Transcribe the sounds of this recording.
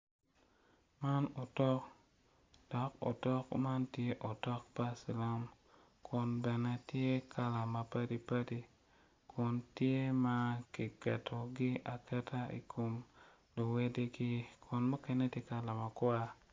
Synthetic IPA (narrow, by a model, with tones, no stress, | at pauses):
ma˦no˨tɔ˦k | d̥ɔ˨ko̰˨tɔ˦kma˦ntje˦ʔo˨tɔ˦k̚pa˦si˨la˦m | kʰʊ˨nbɛ˨nɛ˦tje˦kʰa˦la˨ma˨pa˦di˦pa˦di˦ | kʰʊ˨ntje˦ma˦ki˨kɛ˨tʰo˨ɡɪ˦a˨kɛ˦tʰa˦ḭ˨kʰo˨m | lo˨we˦de˦ɡi˦kʰʊ˨nmo˦kɛ˦ne˦tje˦ka˦la˨ma˨kwa˦